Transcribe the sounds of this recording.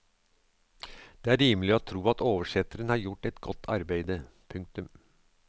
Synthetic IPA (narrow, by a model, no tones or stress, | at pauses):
d̪̥eːæːɾiːməlɪɔːt̪ʰɾuːɑt̪oːʋəʂɛt̪ːəɾənhɑːɾjʊʈːɛt̪ɡɔt̪ʰːɑ̰ɾbæɪd̪ə | pʰʉŋk̚t̪ʉm